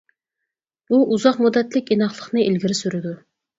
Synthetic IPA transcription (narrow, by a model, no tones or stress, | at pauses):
buʔuzɑqmud̪ːɛt̪lɪkʲinɑχlˠəχnɨʔilɡʲiɾɪsyɾɪd̪u